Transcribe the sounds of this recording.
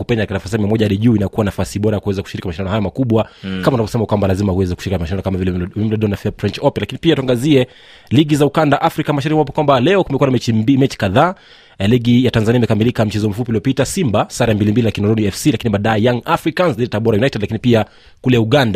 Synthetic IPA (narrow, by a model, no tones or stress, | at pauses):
upɛɲaktikanafas̬iamiamɔʄaaɗiʄuinakuwanafasiɓɔɾajakuwɛzakuʃiɾikimaʃindanɔhajɔmakuɓwakamaunavɔsɛmakwambalazimahuwɛzɛkuʃiɾikimaʃindanɔkamavilɛim̩lɔɗɔnafɛpɾɛnt͡ʃɔpɛnlakinipiatuaŋɡaziɛ | liɠizaukandaʔafɾikamaʃaɾikimwap̬ɔkwambalɛɔkumɛkuwanamɛt͡ʃimɛt͡ʃi̥kaðaː | liɠijatanzaniaimɛkamilikam̩t͡ʃɛzɔm̩fupiliɔpitasimbasaɾambilimbililakinɔɾɔniɛfsilakiniɓaɗajɛjaŋafɾikanzliɛtaɓɔɾajunajtɛdlakinipia | kulɛuɠanda